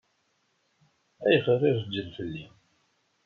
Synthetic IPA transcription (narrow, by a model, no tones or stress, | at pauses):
æjəχərˤɪɾd͡ʒːəlfəlːi